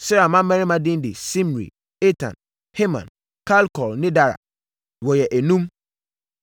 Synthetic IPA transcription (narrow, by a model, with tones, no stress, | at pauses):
sɪ˦ɾa˨mã˦mɛ̃˦ɾi˦mã˨dɪ̃˦n˦dɪ˨sĩ˦m˨ɾḭ˨ | e˦tʰã̰˨n | he˦mã̰˨n | kʰa˦lkʰɔ˨lnɪ̃˦da˦ɾa̰˨ | wɔ˨jɛ˨ʔæ˨nũ˦m